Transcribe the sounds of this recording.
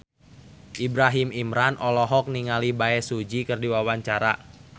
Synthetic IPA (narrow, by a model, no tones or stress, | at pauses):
ʔibɾaɦimimɾanʔɔlɔɦɔk̚niŋalibaɛsud͡ʒikɨrdiwawaɲt͡ʃaɾa